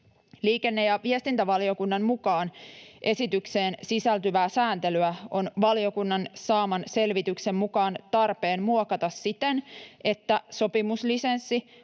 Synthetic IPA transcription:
liːke̞nːe̞jɑʋiest̪int̪æʋɑlio̞kunːɑmmukɑːnʔe̞sit̪ykseːnsisælt̪yʋæːsæːnt̪e̞lyæo̞nʋɑlio̞kunːɑnsɑːmɑnse̞lʋit̪ykse̞mmukɑːnt̪ɑrpe̞ːnmuokɑt̪ɑsːit̪ene̞t̪ːæsopimuslisensːi

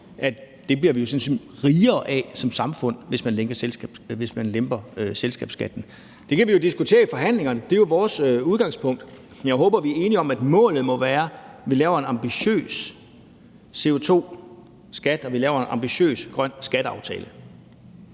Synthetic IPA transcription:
ʔæ̥ | d̥e̝bliɐʋijo̝sɒ̽nse | ʁiːɐːʔɛsɒ̽msɑ̈mfɔ̽n̰ʋe̝smænleŋɡ̥ɐselʋe̝smænlemb̥ɐøselsɡ̥ɛ̰ːb̥sɡ̥æd̥n̩ | d̥e̝kʰæʋijo̝d̥isɡ̥ut͡sʰe̝̰ːɐifɒ̽ɦæn̰le̝ŋɐnəd̥e̝jo̝ʋɒːsøuð̞ˠɡ̥ɑ̈ŋspʰɔ̽ŋ̰d̥ | njɑ̈ɪɦɔ̽ːb̥ɐʋiæɐe̝ːniɒ̽mæd̥mɔ̰̽ːlð̩ˠmɒ̽ʋæːɐʋilɛːʊɐe̝nɑ̈mb̥iɕø̰ːs | se̝o̝t͡sʰo̝̰ː | sɡ̥æd̥ɒ̽ʋilɛːʊɐenʔɑ̈mb̥iɕø̰ːsɡ̥ʁɶn̰sɡ̥æɾ̥əɑ̈ʊt͡sʰɛ̰ːlə

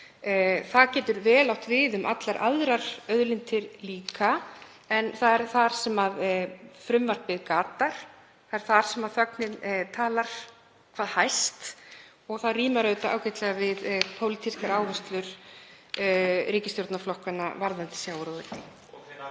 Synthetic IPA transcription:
θaðcɛːt̪ʏɾvɛːlawht̪vɪðʏmʔa̰t̪laɾʔa̰ðɾaɾ̥œðlɪnt̪ʰɪɾliːka | ɛnθaðɛɾ̥θaɾ̥sɛmaðfɾʏmvar̥t̪vɪðkaːt̪aɾ̥ | θaðɛɾ̥θaɾ̥sɛmaðθœknɪnt̪ʰaːlaɾ̥ | kʰvaːðhajst̪ | ɔɣθaðriːmaɾœɥt̪aa̰ːwcɛht̪lɛɣavɪðpʰowlit̪ʰiskaɾaːwvɛst̪lʏɾ̥ | ɾiːcɪst̪jɔɾt̪naflɔhkanːa̰vaɾðant̪ɪ̥sjaːwɾɔðɪɪ

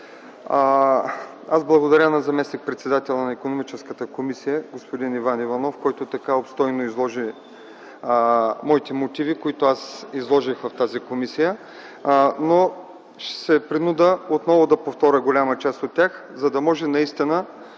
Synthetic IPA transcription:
azblˠɐɡod̪ɐɾʲənɐzɐmɛsnik̚pɾɛt̪sɛd̪at̪ɛlʲˠɐnɐikonomit͡ʃɛskət̪əkomisijəɡospod̪inivanivɐnɔfkɔjt̪ot̪ɐkaopst̪ɔjnoizlˠɔʒi | mɔit̪ɛmot̪ivikoit̪oasizlˠɔʒixvɐft̪azikomisijə | no | ʃsɛpɾinud̪əot̪nɔvʊd̪ɐpoft̪ɔɾʲəɡolʲamət͡ʃast̪ot̪̚tʲjax | zɐd̪ɐmɔʒɛnɐist̪inə

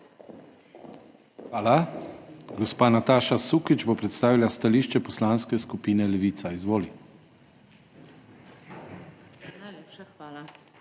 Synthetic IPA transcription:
xʋaːla | ɡɔspaːnat̪aːʃasuːkit͡ʃbopɾɛt̪st̪aːʋilast̪aliːʃt͡ʃɛpɔslaːnskɛskupiːnɛlɛʋiːt̪saizʋoːli | al

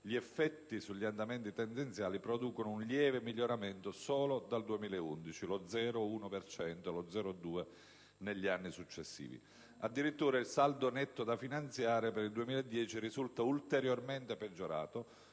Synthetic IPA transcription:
ʎiɛfːɛt̪ːisuʎːiand̪ament̪it̪ɛnd̪ent̪sjaːlipɾod̪uːkonounʎjɛːvemiʎːoɾament̪osɔːlod̪ald̪uemiːlaeund̪it͡ʃilod̪zɛːɾouːnopert͡ʃɛnt̪olod̪zɛːɾod̪uːe | neʎːianːisut͡ʃːesːḭːvḭ | ad̪ːiɾit̪ːuːɾailsald̪onɛt̪ːod̪afinant̪sjaːɾepeɾild̪uemiːlaed̪ːjɛːt͡ʃirizult̪ault̪eɾjorment̪eped͡ʒːoɾa̰ːt̪o

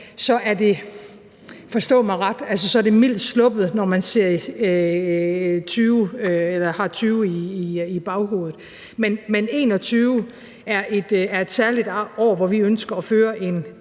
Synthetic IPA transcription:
sɒ̽ʔæɐd̥e̝ | fɒ̽sd̥ɔ̰̽ːmɑ̈ɪʁɑd̥æls̬əsɒ̽æɐd̥e̝mil̰d̥slɔ̽b̥ð̩ˠnɒmænse̝ɐ̰i | t͡sʰyːʊelɐhɑ̈t͡sʰyːʊiːib̥ɑ̈ʊho̝ːð̩ˠ | menmene̝̰ːnɒ̽t͡sʰyːʊ | æɐʔe̝d̥æɐe̝d̥sæɐlid̥ɒ̰ːɐʋɒʋiønsɡ̥ɐɒføːɐʔe̝n

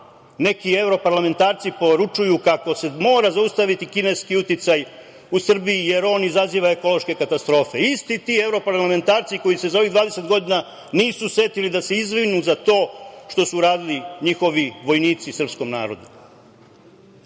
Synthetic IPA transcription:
ne̞kie̞vɾo̞paɾlame̞nt̪aːɾt̪sipo̞ɾut͡ʃujukako̞se̞mo̞ːɾazaust̪aʋit̪ikine̞skiut̪it̪saj | usr̩biije̞ɾo̞ːnizaziːʋaeko̞lo̞ʃke̞kat̪ast̪ɾo̞ːfe̞ist̪it̪iːe̞vɾo̞paɾlame̞nt̪aːɾt̪siko̞jise̞zao̞ʋiɣd̪ʋaːd̪e̞se̞t̪ɡo̞d̪ina | niːsusʋe̞t̪ilid̪ase̞izʋɾinuzat̪o̞ːʃt̪o̞suɾaːd̪iliɲixo̞ʋiʋo̞jniːt̪sisrpsko̞mna̰ːɾo̞̰d̪u

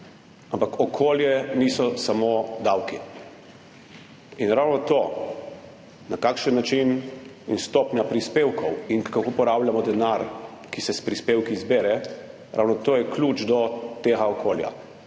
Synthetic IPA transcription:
ampakʰɔkʰoːljɛnisɔsamod̪awki | inɾawnɔt̪o | nakaːkʃənːat͡ʃininst̪opnʲjapɾispeːwkʰɔwinkakopɔɾawljamɔd̪ɛnaɾkisɛspɾispewkizbeːɾɛ | ɾʔa̰wnɔt̪oːjɛklʲut͡ʃd̪ɔt̪eːɣaɔkʰoːlja̰

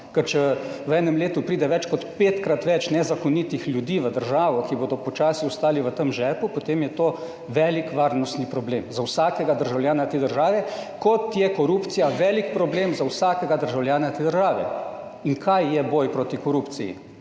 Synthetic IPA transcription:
kəɾt͡ʃɛʋəɛːnɛmleːt̪upɾiːd̪ɛʋɛt͡ʃkɔt̪peːt̪kɾat̪ʋɛt͡ʃnɛzakɔnit̪ixlʲjud̪iːʋəd̪əɾʒaːʋɔkiboːd̪ɔpɔt͡ʃaːsiɔst̪aːliʋət̪əmʒɛːpupot̪eːmjɛt̪oː | ʋɛːlikʋaːɾnɔst̪nipɾɔbleːmzawsaːkɛɡad̪əɾʒawljaːnat̪eːd̪əɾʒaːʋɛkɔt̪jɛkɔɾuːpt̪sijaʋɛːlikpɾɔbleːmzawsaːkɛɡad̪əɾʒawljaːnat̪eːd̪əɾʒaːʋɛ̰ | iŋkʰajːɛbɔjpɾot̪ikɔɾupt̪sijḭ

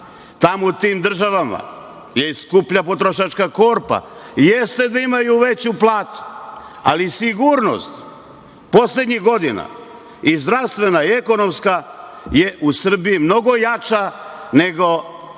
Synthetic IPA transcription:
t̪amout̪iːmd̪r̩ʒaʋama̰ | je̞iskupʎapo̞t̪ɾoʃat͡ʃkako̞ɾpa̰jest̪e̞d̪aimajuʋe̞t͡ɕuplˠaːt̪u̥ | a̰lisiɡuɾno̞̰st̪ | po̞sle̞d̪ɲiɣɡo̞d̪ina̰ | izd̪ɾaʋst̪ʋe̞naieko̞no̞mska | jeʔusr̩biimno̞ɡo̞jat͡ʃane̞ɡo̞

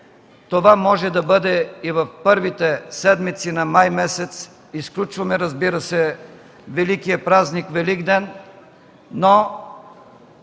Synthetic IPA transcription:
t̪ovamɔʒɛd̪ɐbɤd̪ɛivɐfpɤɾvit̪ɛsɛd̪mit̪sinɐmajmɛsɛt̪s | isklʲut͡ʃvɐmɛɾɐzbiɾəsɛ | vɛlikijɐpɾaznikvɛliɡd̪ɛnː | o

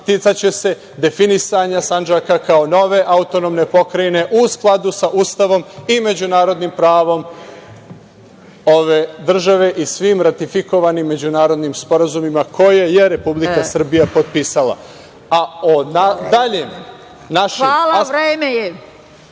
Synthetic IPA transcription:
t̪it̪sat͡ɕe̞se̞ | d̪e̞finisaɲasand͡ʒakakao̞no̞ʋeʔaut̪o̞nomne̞po̞kɾaine̞ʔusklˠad̪usaʔust̪aʋo̞mime̞d͡ʑunaːɾo̞d̪nimpɾaːʋo̞m | o̞ʋe̞ːd̪r̩ʒaʋe̞ʔisʋiːmɾat̪ifiko̞ʋanimːe̞d͡ʑunaːɾo̞d̪nimspo̞ɾazumimakʰo̞jeje̞ɾe̞publikasr̩bijapo̞t̪̚pisala̰ | aonad̪aʎe | naʃaːlaaɾeːmeje

